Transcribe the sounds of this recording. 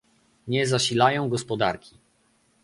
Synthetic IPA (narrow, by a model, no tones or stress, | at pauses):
ɲɛzaɕilajɔ̃w̃ɡɔspɔd̪a̰ɾkʲi̥